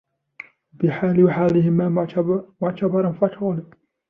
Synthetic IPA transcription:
bɪħaːlɪwaħaːlɪhɪmamʊʕt̪ɑbɑɾˤɑnfaʕt̪ɣʊla

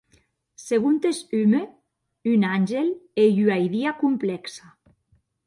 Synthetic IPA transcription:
seɣunt̪esyme | ynanʲʒelejyajðiakumplɛksa

